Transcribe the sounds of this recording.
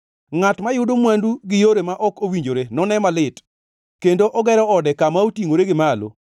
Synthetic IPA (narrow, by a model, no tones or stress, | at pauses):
ŋatmajʊdomwanduɡɪjoɾemaʔɔkowiɲd͡ʒoɾenɔnɛmalɪt | kendoʔɔɡɛɾɔɔdɛkamaotiŋoɾeɡɪmalo̰